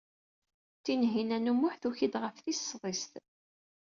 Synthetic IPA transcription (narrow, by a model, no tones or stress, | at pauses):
t̪ːinɦinænumʊħθuçid̪ʁəfθisːðˤɪst̪